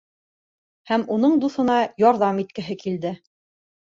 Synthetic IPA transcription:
hæmun̪ɤɴd̪uθɤ̆nɑjɑɾðɑmit̪kɘ̆ɦɘkild̪ɘ

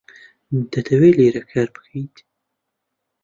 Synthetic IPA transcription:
d̪ɐt̪ʰɐweːleːɾɐkʰaːɾbɨ̥kʰɐjt̪

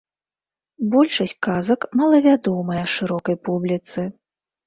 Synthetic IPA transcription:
bɔlʲʂɐs̚ʲkazɐkmalˠɐvʲad̪ɔmɨjɛʂɨɾɔkɐjpublʲit̪sɨ

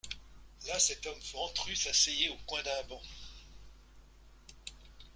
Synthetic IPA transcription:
lasɛt̪ɔmføɑ̃t̪χysasejeokwɛ̃d̪ɛ̃bɑ̃

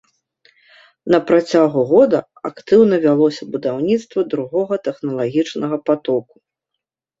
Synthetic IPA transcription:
nɐpɾat͡sʲaɣuɣɔd̪ɐ | akt̪ɨwnɐvʲalˠɔsʲɐbud̪awnʲit̪st̪vɐd̪ɾuɣɔɣɐt̪ɛxnɐlˠaɣʲit͡ʂnɐɣɐpat̪ɔku̥

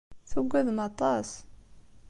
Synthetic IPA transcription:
θuɡʷːæðmɑt̪ˤɑs

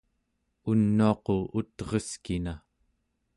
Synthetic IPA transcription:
unːuɑqout̪ʁʌskina

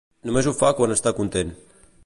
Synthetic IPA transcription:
numezufakwanəst̪akunt̪en

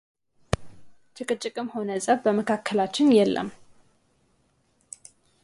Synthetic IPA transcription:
t͡ʃʼɨkʼɨt͡ʃʼːɪkʼɨmho̞nəsʼəβbəməkʰakʰːəlat͡ʃːɪnjɛlːʔə̰m

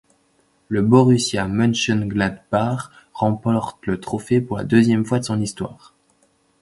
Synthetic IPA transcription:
ləbɔʁysjãmɔnʃɔnɡlad̪baʁː | ɑ̃pɔʁt̪lət̪χɔfepuʁla̰d̪øzjɛmfwad̪əsɔ̃nist̪wa̰ːʁ

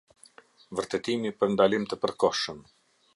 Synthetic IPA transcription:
vəɾt̪ɛt̪imipəɾnd̪alimt̪əpəɾkɔʃəm

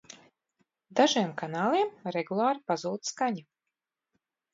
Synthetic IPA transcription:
d̪aʒiɛmkanaːlˠiɛmɾɛɡulˠaːɾipazuːt̪skaɲu

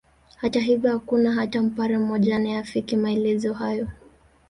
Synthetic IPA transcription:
hataɦivjɔhakunaɦatam̩paɾɛm̩mɔʄanaafikimaɛlɛzɔɦajɔ

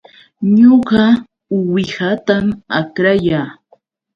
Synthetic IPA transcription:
ɲoɢɑ | ʊwɪhat̪amakɾajaː

